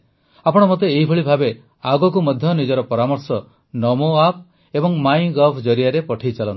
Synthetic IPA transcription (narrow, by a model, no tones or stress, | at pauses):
apɔɽ̃ɔmot̪̬eːɦibʱɔɭibʱabe | aɡɔk̬umɔd̪ʱjɔnid͡ʒɔɾɔpɔɾamɔɾsɔ | nɔmoap̚ | ebɔŋmajɡɔpʰd͡ʒɔɾiaɾepɔʈʰejt͡ʃalɔnt̪i̥